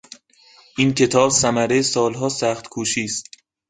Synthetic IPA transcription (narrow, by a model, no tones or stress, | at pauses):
ʔincʰe̞t̪ʰɒːbsæmæɾesɒːlɦɒːsæːxt̪kʰuːʃiːst̪̚